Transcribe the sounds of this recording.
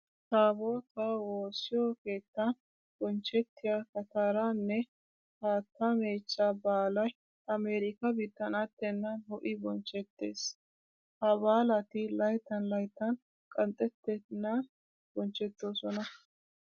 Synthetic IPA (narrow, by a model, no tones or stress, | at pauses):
saːboːt̪awoːsːɪjoke̞ːt̪ːɐn | bɔnt͡ʃːɛt̪ːɪjaːkɐt̪aːɾanːɛ | haːt̪ːameːt͡ʃːabaːlɐj | ɐmeːɾɪkɐbɪt̪ːɐnɐt̪ːɛnːɐnhɔʔɪbɔnt͡ʃːɛt̪ːḛːs | hɐbaːlɐt̪ɪlɐjt̪ːɐnlɐjt̪ːɐn | kʼɐnt̪ʼɛt̪ːɛnːɐn | bɔnt͡ʃːɛt̪ːoːsɔnɐ